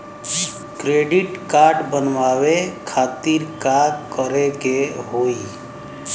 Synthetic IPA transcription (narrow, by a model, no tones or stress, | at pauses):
kɾeɖiʈkaɾɖbənʋawekʰat̪iɾkakəɾekeɦoi